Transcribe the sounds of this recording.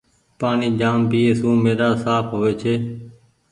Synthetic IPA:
paːniːd͡ʒaːmpiːeːsũːmeːɾaːsaːpʰɦoːʋeːt͡ʃʰeː

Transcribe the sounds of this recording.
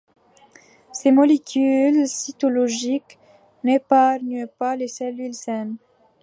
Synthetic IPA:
semɔlekʲʰylsit̪ɔlɔʒik | nepaʁnøpalesɛlylsɛn

